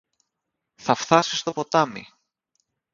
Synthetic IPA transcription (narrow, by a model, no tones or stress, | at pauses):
θɐfθɐsi̥st̪o̞po̞t̪ɐmḭ